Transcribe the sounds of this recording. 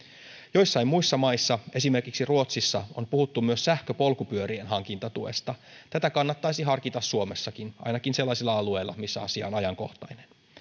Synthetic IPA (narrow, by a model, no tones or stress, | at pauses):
jo̞jsːɑimmujsːɑmɑjsːɑe̞sime̞rkiksiruo̞t̪sisːɑo̞̰npuhut̪ːumyøssæhkøpo̞lkupyøɾie̞nɦɑŋk̟int̪ɑt̪ue̞̰st̪ɑt̪æt̪ækɑnːɑt̪ːɑjsiɦɑrkit̪ɑsːuomesːɑkinʔɑ̰jnɑkinse̞lːɑsilːɑɑlue̞jlːɑ̰misːæɑsiɑ̰onɑjɑŋko̞ht̪ɑjnen